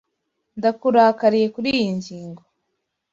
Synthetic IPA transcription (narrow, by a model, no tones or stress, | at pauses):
ndakuɾakaɾije̞kuɾijiɲɟiːŋɡo